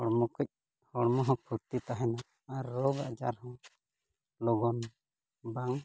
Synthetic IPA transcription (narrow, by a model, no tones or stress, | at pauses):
hɔɽmɔkəc̚ | hɔɽmɔɦɔ̃pʰuɾt̪it̪aɦɛnaː | ɾːɔɡa̰d͡ʒa̰ɾhɔ̃ | lɔɡɔn | baŋ